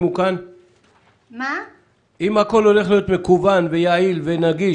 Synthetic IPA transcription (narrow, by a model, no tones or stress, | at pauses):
mukan | a | imhako̞lo̞le̞χlijo̞t̪me̞kuvanvejailvenaɡi